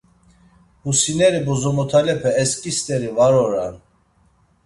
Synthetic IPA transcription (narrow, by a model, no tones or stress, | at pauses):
husinɛɾibɔzɔmɔt̪ʰalɛpʰɛːskʼist̪ʼɛɾivaɾɔɾan